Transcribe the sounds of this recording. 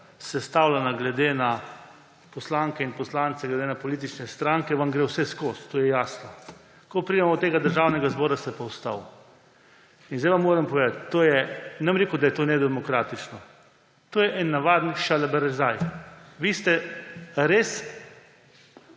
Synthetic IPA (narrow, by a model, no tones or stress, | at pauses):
sɛst̪awlanaɡlɛd̪ena | pɔslaŋkɛinpɔslaːnt̪sɛɡlɛd̪enapɔliːt̪̬it͡ʃnɛst̪ɾaŋkɛʋamɡɾewsɛskost̪ːoːjɛjaːsnɔ | kɔpɾid̪ɛmɔt̪eːɡad̪əɾʒawnɛɡazbɔːɾast̪ɛpɔwst̪aw | inzd̪ajʋamːoːɾɐmpɔʋeːd̪at̪ːoːjɛnɛmɾeːkʊd̪ajɛt̪oːnɛd̪ɛmɔkɾaːt̪it͡ʃnɔ | t̪oːjɛʔɛnːaʋaːd̪nʃalabɛɾɛzajʋiːst̪ɛɾeːs